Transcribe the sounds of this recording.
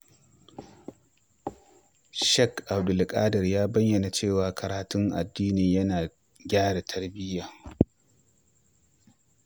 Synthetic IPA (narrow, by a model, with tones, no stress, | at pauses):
ʃɛ˦kʔa˨wdʊ˨lkʼaː˦dɐ˨rjaː˦bɐ˦jjɐ˨na˨t͡ʃeː˦˨waː˨kʰɐ˨ɾaː˨tʊ˦ŋʔa̰˨dːiː˦niː˨jɐ˦naː˨ | ɡʲaː˦ɽa˨tʰɐ˦rbɪ˦jaː˨